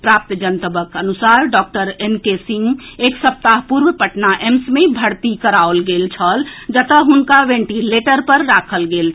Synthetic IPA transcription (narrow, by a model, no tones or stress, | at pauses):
pɾap̚t̪d͡ʒənt̪əbəkənusaɾɖɔk̚ʈəɾenkesiŋɡeksəp̚t̪aɦpuɾʋəpəʈnaʔemsmebʱəɾt̪ikəɾaolɡelt͡ʃʰəld͡ʒət̪əɦunkaʋẽɳʈileʈəɾpəɾːakʰəlɡel